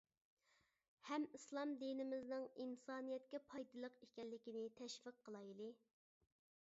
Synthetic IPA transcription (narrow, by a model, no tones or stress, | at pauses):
hɛmislˠɑmd̪inɪmɪznɨŋinsɑːnijɛt̪kʲɛpʰɑjd̪ɨlˠəqekʲɛlːɪkʲinɪt̪ʰɛʃvɨqʰːəlˠɑjlˠɨ